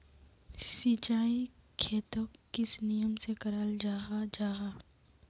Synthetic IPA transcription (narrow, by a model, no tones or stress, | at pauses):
siːt͡ʃaːikʰeːt̪okkɪsnijəmsekɐɾaːld͡ʒaːɦad͡ʒaːɦaː